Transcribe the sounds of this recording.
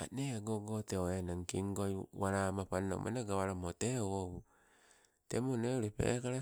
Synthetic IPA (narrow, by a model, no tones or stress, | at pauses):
a̰neaɡoɡoteenaŋkiŋɡoiwaɾamapano̰mʔa̰naɡawaɾamotewoβu | temoneoɾepḛkaɾa